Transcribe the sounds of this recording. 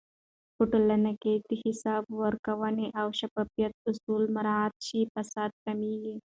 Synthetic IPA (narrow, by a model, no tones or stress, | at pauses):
pʊʈulɐnɐket̪ihisaːbwɐɾkɐʋɐneʔɐwʃɐpɐpjɐt̪̚ʊsuːlmɐɾaːt̪̚t͡ʃiːpɐsaːd̪̚kɐmiːɡe